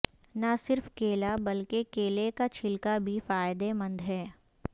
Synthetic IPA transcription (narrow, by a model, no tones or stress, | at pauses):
nɐsɪɾfkeːlabɐlkekeːlekat͡ʃʰɪlkabʱifaːjd̪emɐ̃nd̪ɦɛː